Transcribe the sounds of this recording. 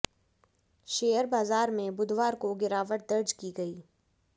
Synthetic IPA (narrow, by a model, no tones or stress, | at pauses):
ʃeːəɾbaːzaːɾmẽbʊd̪ʱʋaːɾkoɡɪɾaːʋəʈ̚d̪ɐɾd͡ʒkiɡɐiː